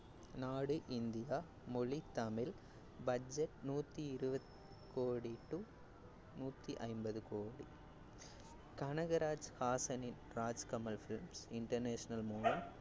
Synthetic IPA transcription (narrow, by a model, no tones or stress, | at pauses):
naːɽɯʔɪnd̪ɪja | mɔɭit̪ɐmɪl | bɐd͡ʒɛʈ̚nuːt̪ːiɪɾɯbɐt | koːɽiʈːu | nuːt̪ːiʔɐɪmbɐðɯkoːɽi | kɐɳɐɣɐɾaːd͡ʒhaːsɐnɪn | ɾaːd͡ʒkɐmɐlfɪlmsɪɳʈɐɾneːʂɐnɐlmuːlɐm